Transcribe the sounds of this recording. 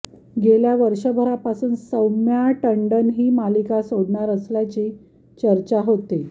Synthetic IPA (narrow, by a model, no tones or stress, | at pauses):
ɡeljaʋəɾʂəbʱəɾapasuːnsəwmjaʈəɳɖənɦiːmalikasoɽɳaɾəsljat͡ɕiː | t͡ɕəɾt͡ɕaɦot̪e